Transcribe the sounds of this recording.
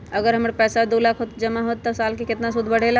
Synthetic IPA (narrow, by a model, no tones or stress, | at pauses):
əɡəɾɦəmɾpɛːsad̪oːlaːkʰɦot̪d͡ʒɐmaɦot̪ːəsaːlkekɪt̪nasʊd̪ʱbəɽ̤ela